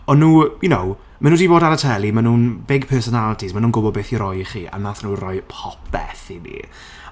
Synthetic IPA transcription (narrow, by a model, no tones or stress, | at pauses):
ɔnːuːjʊnow | manuːdiːboːdaɾətʰɛlˠimanuːnbɪɡ̚pʰɛsɔnalˠətʰismanuːnɡʊbɔbeːθiɾɔjχiːʔa̰naθnuːrɔjpʰɔp̚ʰɛ̰θinḭ